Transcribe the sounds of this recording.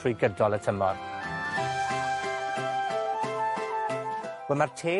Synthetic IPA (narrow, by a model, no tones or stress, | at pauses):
ʊjɡədɔlˠətʰəmɔ̰r | wɛmartʰeː